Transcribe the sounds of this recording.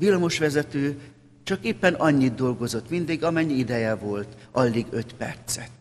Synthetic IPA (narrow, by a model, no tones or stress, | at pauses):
ʋilːɒmo̞ʃʋɛzɛt̪øː | t͡ʃɒkeːpːɛnɒɲːid̪̚d̪o̞lɡo̞zo̞t̪mind̪iɡɒmɛɲːiid̪ɛjɛvo̞lt̪ʔɒlːiɡøt̪pɛ̰rt̪sɛt̪